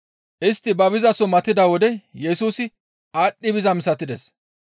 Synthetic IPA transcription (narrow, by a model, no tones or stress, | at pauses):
ʔɪst̪ːɪbɐbɪzɐsɔmɐt̪ːɪd̪ɐwɔd̪ɛjɛsuːsɪ | aːɗːɪbɪzɐmsɐt̪ɪd̪ɛs